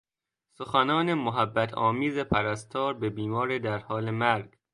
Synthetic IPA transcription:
soxænɒːnemoɦæbːæt̪ʰɒ̰ːmiːzepʰæɾæst̪ʰɒːɾbebiːmɒːɾed̪æɾhɒːlemæɾɡ

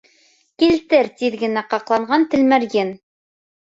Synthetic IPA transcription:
kilt̪ɘɾt̪iðɡɘ̆næqɑqlˠɑɴɢɑnt̪ɘ̆lmæɾjɘn

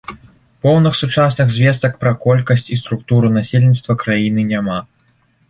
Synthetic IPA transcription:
pɔwnɨxsut͡ʂasnɨɣzʲvʲɛs̬t̪ɐkpɾɐkɔlʲkɐsʲt͡sʲist̪ɾuk̚t̪uɾunasʲelʲnʲit̪st̪vɐkɾajinɨnʲama

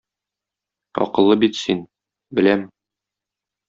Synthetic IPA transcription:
ɒ̰qɤ̆lˠːɤbit̪sin | bɘ̆læm

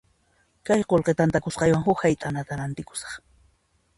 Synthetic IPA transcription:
kajqolqet̪ant̪akʊsqɑjwaŋɦʊkhajt̪ʼanat̪aɾant̪ɪkʊ̥sɑ̥χ

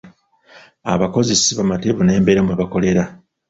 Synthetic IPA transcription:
a̰βako̞zisiβamateβune̞ːmbeɾamweβako̞le̞ɾa

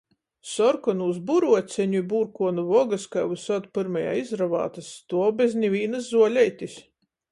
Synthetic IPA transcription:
sɔɾkɔnuzsbuɾuɔt̪sʲɛɲuibuɾkuɔnuvɔɡaskajvusɔt̪pɨɾmaja̰ːizɾava̰ːt̪ast̪uɔbʲeznʲivʲiːnaszuɔlʲɛjt̪ʲisʲ

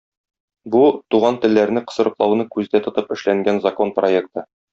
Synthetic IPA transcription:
but̪uʁɑnt̪ɘ̆lːæɾnɘqɤ̥̆sɤ̆ɾɤ̆qlˠɑwnɤkʉzd̪æt̪ŏt̪ɤpɘ̆ʃlæŋɡænzɐko̞nproe̞k̚t̪ɤ

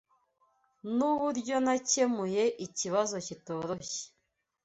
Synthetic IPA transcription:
nuβuɾɟo̞nace̞muje̞ʔiciβazo̞cito̞ːɾo̞çe̥

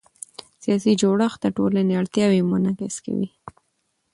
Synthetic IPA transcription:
sijɑsid͡ʒoɽəxd̪əʈolaneaɽt̪jɑwemʊnakɪska̰wḭ

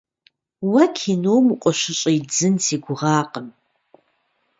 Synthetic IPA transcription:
wɐkʰinoːmuqʷʼɔɕʷɪɕʼɐjd͡zɨntʰiːɡʷʊʁɑːqʼəm

